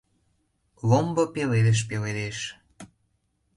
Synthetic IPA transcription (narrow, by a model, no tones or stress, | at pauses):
lombɤpeled̪eʃ̬peled̪eʃ